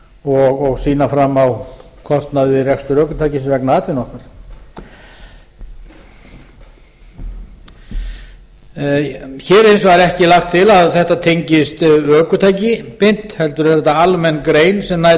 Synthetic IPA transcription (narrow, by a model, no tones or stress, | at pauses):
ɔɣɔɣsiːnafɾamːaw | kʰɔst̪naðvɪrɛkst̪ʏɾœːkʏt̪ʰajcɪsvɛknaaːt̪vɪnɔhkaɾ̥ | çɛːɾɪnsvaɾɛhcɪlaxt̪ʰɪlaðθɛht̪at̪ʰejɲcɪst̪œːkʏt̪ʰaːjcɪpɪjn̥t̪hɛlt̪ʏɾ̥θɛθɛht̪ːaalmɛnkɾeːjnsɛmna